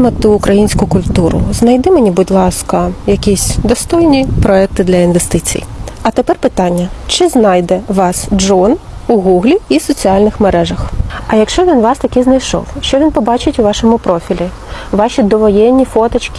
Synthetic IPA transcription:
mɐt̪ɪːkɾɐjinʲsʲkʊkʊlʲt̪uɾʊ̰znɐjd̪ɪmenʲibudʲlˠɑskɐjɐkʲisʲd̪ɔst̪ɔjnʲipɾɔɛk̚t̪ɪd̪lʲɐinʋest̪ɪt͡sʲḭjɐt̪epɛrpɪt̪ɑnʲːɐt͡ʃɪznɑjd̪ɛʋɑsd͡ʒɔn | uɣuɣlʲiːsɔt͡sʲiɑlʲnɪxmeɾɛʒɐxɐjɐkʃt͡ʃɔʋʲinʋɑst̪ɐkɪznɐjʃɔ̰wʃt͡ʃɔʋʲinpɔbɑt͡ʃɪtʲuʋɑʃɔmʊpɾɔfʲilʲi | ʋɑʃʲid̪ɔʋɔjɛnʲːifɔt̪ɐt͡ʃkʲɪ̥

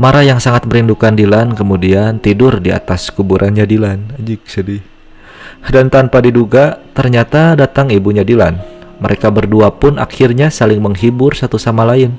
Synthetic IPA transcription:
maɾajaŋsaŋat̪̚məɾindukandilankəmudiant̪idʊrdia̰t̪askubuɾʔanɲadilanad͡ʒiksidi | dant̪anpadiduɡat̪ərɲat̪adat̪aŋibuɲadilanməɾʔekabərduapʊna̰kɪrɲasalɪŋməŋɦibʊrsat̪usamalaɪn

